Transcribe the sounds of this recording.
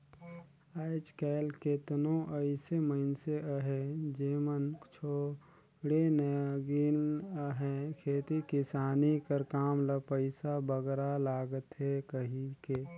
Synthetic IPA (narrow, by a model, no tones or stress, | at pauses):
aɪd͡ʒkɛːlket̪nõʔəɪseməɪnseʔəɦed͡ʒeːmənt͡ʃʰo | ɽenəɡinɦɛ̃kʰeːt̪ikɪsaːnikəɾkaːmləpəɪsabəɡɾalaːɡət̪ɦɛkəɦikeː